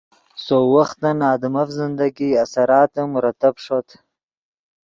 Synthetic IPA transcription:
sowaxt̪ɐnɑːd̪ɪmɐfzɪnd̪aɡiasaɾɑːt̪əmɾat̪apʂot̪ʰ

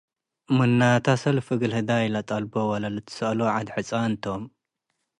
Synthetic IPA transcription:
mɨnːat̪ʰasɐlfɨɡɨlhɨd̪ajɪlɐt̪ʼɐlbowɐlɐlɨt̪ʰɨ̥sɨʔloʕad̪ħɨt͡sʼant̪ʰom

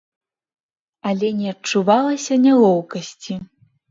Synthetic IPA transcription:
ɐlʲɛnʲɛɐt͡ʂuvalˠɐsʲɐnʲalˠɔwkɐsʲt͡sʲi

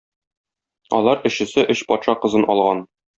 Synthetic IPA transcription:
ɒ̰lˠɑɾɘ̆ɕɘ̆sɘʔɵɕpɒt̪ʃɑqɤ̆zɤnʔɒ̰lˠʁɑn

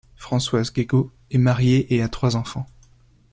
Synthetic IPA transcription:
fχɑ̃swazɡeɡo | ɛmaʁjeʔeat̪χwazɑ̃fɑ̃

